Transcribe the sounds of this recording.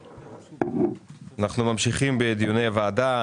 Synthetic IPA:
anaχnumamʃiχimbeːd̪jonejavaːda

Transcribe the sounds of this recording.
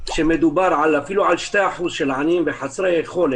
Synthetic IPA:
ʃemed̪ubaɾˤʕalafiluʕalʃt̪eħuzʃelʕanimbeħasɾehed̪xol

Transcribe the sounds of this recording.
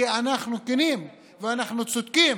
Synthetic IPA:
ianaχnukinim | veanaχnut͡sod̪kim

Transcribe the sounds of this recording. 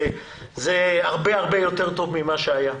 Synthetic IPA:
zeaʁbeaʁbejo̞t̪eʁt̪o̞vmimaʃeaja

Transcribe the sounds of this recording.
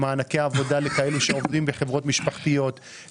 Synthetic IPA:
maːnakeaːvo̞dalekae̞luʃeovdimbeχe̞vʁo̞tmiʃpaχtijo̞t

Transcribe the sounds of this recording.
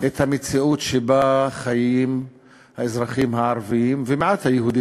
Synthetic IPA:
ʔet̪hamet͡siutʃebaχajim | haezʁaχimhaʕaɾviimvemeʕat̪hajehud̪i

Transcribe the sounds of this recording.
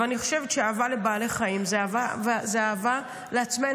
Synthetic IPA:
aniχo̞̥ʃevetʃeaːvalebaːleχaimzeavavzeaːva | leat͡sme

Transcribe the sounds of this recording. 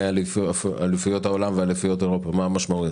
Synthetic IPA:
alifalifujot̪hao̞lamvealifujo̞t̪eʁopamaamaʃmau

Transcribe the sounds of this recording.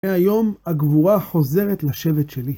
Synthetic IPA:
eajo̞maɡvuʁaχo̞ze̞ʁet̪laʃe̞vet̪ʃeli

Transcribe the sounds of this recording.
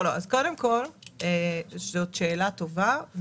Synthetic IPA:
loazko̞demko̞lezot̪ʃe̞ːlat̪o̞vav

